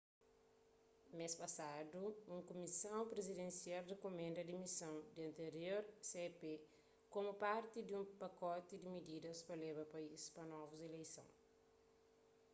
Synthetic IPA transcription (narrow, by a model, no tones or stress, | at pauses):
mespɐsad̪uũŋkomisɐ̃w̃pɾezid̪ẽnsiald̪ɪkomẽnd̪ɐd̪imisɐ̃w̃d̪iɐ̃nt̪eɾioɾsepe | komʊpaɾt̪id̪iũmpɐkɔt̪ɪd̪ɪmid̪id̪ɐspɐleβɐpɐispɐnɔvuzelejsɐ̰̃w̃